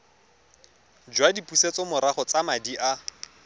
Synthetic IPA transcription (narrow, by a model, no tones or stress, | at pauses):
d͡ʒwadipʼuset͡sɔmʊɾaχɔt͡samadiʔa